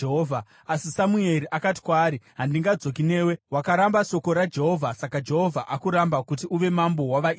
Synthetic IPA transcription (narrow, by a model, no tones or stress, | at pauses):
eɦovʱa | asisamue̞ɾiʔakati̥kwaːɾiɦandiŋɡad͡zo̞k̬ine̞ːwe̞wakaɾambaʃo̞ko̞ɾad͡ʒe̞ɦo̞vʱasakad͡ʒe̞ɦo̞vʱaʔakuɾambakutiuʋe̞mambo̞waʋai